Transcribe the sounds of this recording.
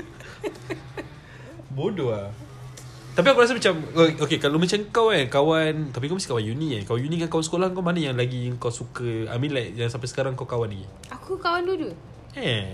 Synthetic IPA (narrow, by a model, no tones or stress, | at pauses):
bodoa | t̪ap̬iaŋkuɾas̬amat͡ʃamʔokekalomat͡ʃaŋkawakawant̪ap̬ikowmastikawanjuniakawajunikankawansə̥kolahŋkawmanajaŋlaɡiŋkawsukəa̰mĩnlajjaŋsampasə̥kaɾaŋkawkawaniɡi | akukawandudu | ɛ